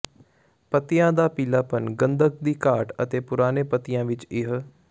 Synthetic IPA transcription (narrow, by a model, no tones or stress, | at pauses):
pət̪ɪjãːd̪aːpiːlaːpənɡənd̪ək̚d̪iːkaːʈət̪eːpʊɾaːneːpət̪ɪjãːʋɪt͡ʃɪɦ